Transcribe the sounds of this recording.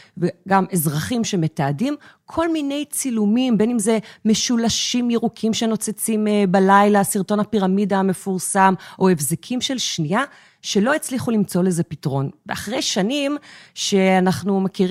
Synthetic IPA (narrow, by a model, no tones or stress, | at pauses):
veɡamezʁaχimʃe̞me̞taːdimkʰo̞lmine̞jt͡silumimbe̞nimze̞me̞ʃulaʃimjeʁukʰimʃeno̞t͡set͡simbalajlasiʁto̞napiʁamidaːme̞fuʁsamʔo̞e̞fzekʰimʃe̞lʃnia | ʃe̞lo̞et͡sliχulimt͡so̞le̞zepitʁo̞nveaχʁejʃanimʃe̞anaχnumakiʁ